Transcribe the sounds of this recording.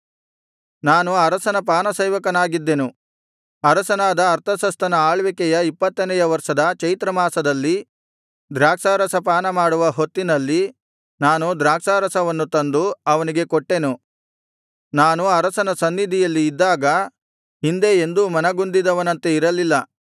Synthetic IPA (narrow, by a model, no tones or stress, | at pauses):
naːnuɐɾɐsɐnɐp̬aːnɐsɐjʋɐkɐnaːɡid̪ːe̞nu | ɐɾɐsɐnaːd̪ɐːɾt̪ʰɐsɐst̪ʰɐnɐaːɭʋɛkɛjɐipːɐt̪ːɐnɛjɐʋɐɾʂɐd̪ɐt͡ʃɐjt̪ɾɐmaːsɐd̪ɐlːi | d̪ɾaːkʂaːɾɐsɐpaːnɐmaːɽuʋɐɦo̞t̪ːinɐlːi | naːnud̪ɾaːkʂaːɾɐsɐʋɐnːut̪ɐnd̪uɐʋɐniɡe̞koʈːe̞nu | naːnuɐɾɐsɐnɐsɐnːid̪ʱijɐlːiːd̪ːaːɡɐ | hind̪eend̪umɐnɐɡund̪id̪ɐʋɐnɐnt̪eiɾɐlilːɐ